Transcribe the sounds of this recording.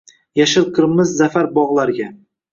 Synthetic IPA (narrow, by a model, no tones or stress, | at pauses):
jaʃɪlˠqʰɨɾmɪzːafaɾbɒʁlˠaɾɡʲa